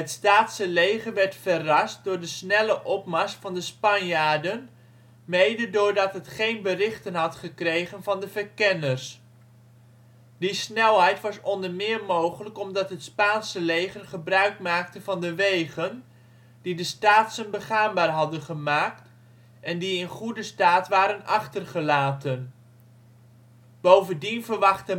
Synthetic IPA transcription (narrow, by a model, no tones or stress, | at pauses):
ɦətstaːtsəlejχəɹʋɛɹtfərɑst̚dʊːɹdəsnɛləʔɔpmɑstfɑndəspɑnjaːɹdən | mejdədʊːɹdɑtɦətχejnbərɪχtənɦɑtχəkrejχənvɑndəvəɹkɛnəɹs | disnɛlˠɦɛjtʋɑsɔndəɹmɪːɹmowχələkɔmdɑtɦətspaːnsəlejχərχəbrœɥkmaːk̚təvɑndəʋejχən | d̥idəstaːtsənbəχaːnbaːɹɦɑdənχəmaːk̚t | ɛndiɪnχudəstaːtʋaːɾənɑχtərχəlaːtən | b̥owvəndinvəɹʋɑχtə